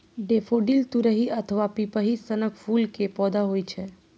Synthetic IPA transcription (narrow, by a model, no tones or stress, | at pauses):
ɖefoɖilt̪uɾəɦiʔət̪ʰəʋapipəɦisənəkʰfulkepɔd̪aɦojt͡ʃʰe